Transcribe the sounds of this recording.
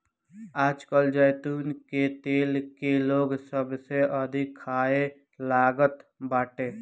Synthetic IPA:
aːd͡ʒkəld͡ʒəjt̪uːnket̪eːlkeloːɡsəbseʔəd̪ʱikʰaːe | laːɡət̪baːʈeː

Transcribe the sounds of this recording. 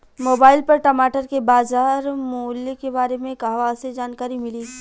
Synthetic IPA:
moːbaːɪlpɐɾʈɐmaːʈəɾkebaːzaːɾmoːlːekebaːɾemẽkaɦʋaːsed͡ʒaːnkaːɾimɪliː

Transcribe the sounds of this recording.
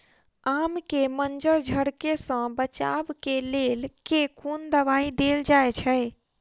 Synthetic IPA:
amkemənd͡ʒəɾd͡ʒʱəɽkesə̃bət͡ʃa̰bkelelkekʰund̪əβaid̪eld͡ʒaet͡ʃʰəj

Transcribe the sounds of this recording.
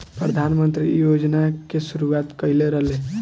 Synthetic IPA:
pɾəd̪ʱanmənt̪ɾijod͡ʒnakesuɾuʋat̪kəɪleɾəɦle

